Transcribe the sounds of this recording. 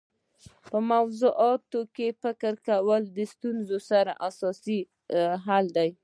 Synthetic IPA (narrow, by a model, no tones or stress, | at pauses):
pəmawzuʔɑt̪okefɪkəɾkawəld̪əst̪unzosaɾa̰ʔasɑsi | ɦald̪aj